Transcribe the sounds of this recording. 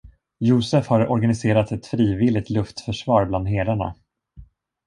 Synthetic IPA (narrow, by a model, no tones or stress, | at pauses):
juːsɛfhaɾɔɾɡanɪseːɾat̪ɛt̪fɾiːvɪlːɪɡ̚t̪lɵft̪fœʂvɑːɾbland̪ɦeːɾaɳa̰